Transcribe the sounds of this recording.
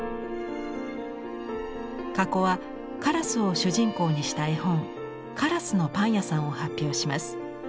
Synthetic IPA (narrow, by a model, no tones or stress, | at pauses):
kako̞βa | kaɾasɨo̞ɕɨʑĩŋko̞ːɲ̟iɕi̥t̪aihõ̞ŋ | kʰaɾasɨno̞pãɰ̃jasãɰ̃o̞hapʲːjo̞ːɕimasɨ̥